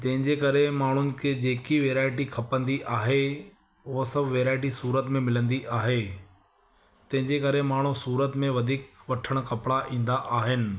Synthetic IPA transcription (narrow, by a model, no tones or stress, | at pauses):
d͡ʑɐ̃ɦɪ̃ɲd͡ʑekɐɾemaːɳ̤ʊnɪ̆kʰeːd͡ʑeːkiʋeːɾaːɪʈixʰɐpə̃nd̪iʔaːɦe | ʊɦosɐbʱʋeːɾaːɪʈ̬isuːɾət̪mẽmɪlə̃nd̪iʔaːɦe | t̪ɐ̃ɦɪ̃ɲd͡ʑekɐɾemaːɳ̤usuːɾət̪mẽʋɐd̪ʱiːkʋɐʈʰəɽ̃kɐpɽaʔĩːn̆d̪aʔaːɦɪnɪ̆